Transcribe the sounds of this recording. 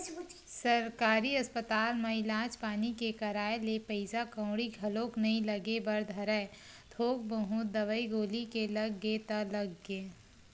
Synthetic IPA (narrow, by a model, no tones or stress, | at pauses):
sɐɾkaːɾiɐspət̪aːlmaɪlãːd͡ʒpaːnikekɐɾaːelepəɪzakɐ̃ʊɽiɡʱɐloːknɐɦĩlɐɡebɐɾd̪ʱɐɾɛː | d̪ʱoːɡ̚bɐɦũd̪ɐʋəiɡoːlikelɐɡːeːt̪aləɡːẽː